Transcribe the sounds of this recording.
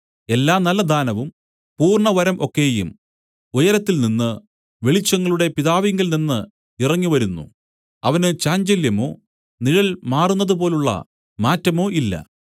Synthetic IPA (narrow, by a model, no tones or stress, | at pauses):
e̞lːaːnɐlːɐd̪ʱaːnɐʋum | puːrɳɐʋɐɾɐmʔo̞kːe̞ːjṵm | ujɐɾɐt̪ːilninːɨ | ʋe̞ɭit͡ɕːɐŋːɐɭuɽe̞piðaːʋiŋɡilninːɨ | irɐŋːiʋɐɾunːṵ | ɐʋɐnɨt͡ɕaːɲd͡ʑɐljɐmo̞̰ː | niɻɐɭmaːrunːɐðupo̞ːluɭːɐ̰ | maːtːɐmo̞ːʔilːɐ̰